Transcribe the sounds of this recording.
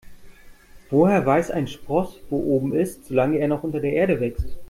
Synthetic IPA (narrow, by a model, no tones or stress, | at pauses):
v̥oːheːɐvaɪsa̰ɪnʃpʁ̥ɔsv̥oːʔoːbm̩ɪstz̥oːlaŋəeːɐnɔχʔʊntɐdeːɐʔeːɐɾəvɛkst